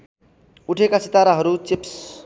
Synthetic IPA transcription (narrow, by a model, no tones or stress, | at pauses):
uʈʰekasit̪aɾaɦʌɾut͡sips